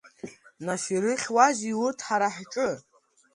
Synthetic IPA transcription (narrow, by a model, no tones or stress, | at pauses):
naʃiɾɨχʲwaziwurtʰħaɾaħʈ͡ʂʼɨ